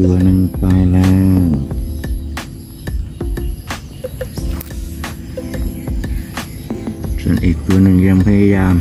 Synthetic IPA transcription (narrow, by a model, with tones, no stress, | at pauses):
u˧ɐnɯ˧˩ŋpa˧jlɛː˧w | so˧˩˨nʔiː˨˩k̚t̪u˧ɐnɯ˧˩ŋjaː˧˩ŋpʰa˧ja˧jaː˧m